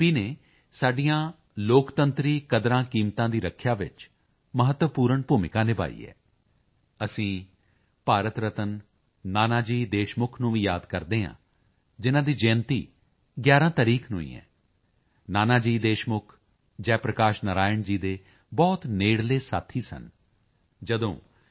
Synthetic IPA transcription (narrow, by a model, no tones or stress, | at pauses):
piːneː | saːɖijãː | loːkt̪ənt̪ɾiːkəd̪ɾãːkiːmt̪ãːd̪iːɾəkʰːjaːʋɪt͡ʃ | məɦət̪ʋəpuːɾəɳpuːmɪkãːnẽːba̰ːḭːɛ̰ː | əsĩː | paːɾət̪ɾət̪ənː | aːnaːd͡ʒiːd̪eːʃmʊkʰnũːʋĩːjaːd̪kəɾd̪eːɦã̰ː | d͡ʒɪnãːd̪iːd͡ʒɛ̃ːnt̪iː | ɡjaːɾãːt̪əɾiːkʰnṵ̃ːḭ̃ːɛ̰ː | naːnaːd͡ʒiːd̪eːʃmʊkʰ | d͡ʒɛːpɾəkaːʃnəɾaːjəɳd͡ʒiːd̪eː | bɔːt̪neːɽleːsa̰ːt̪ʰiːsə̰n | d͡ʒəd̪õː